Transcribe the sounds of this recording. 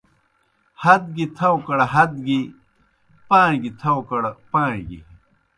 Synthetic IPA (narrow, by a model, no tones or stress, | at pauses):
hɐd̪̚ɡit̪ʰɐwkɐɽɦɐd̪ɡi | pãːɡit̪ʰɐwkɐɽpãːɡḭ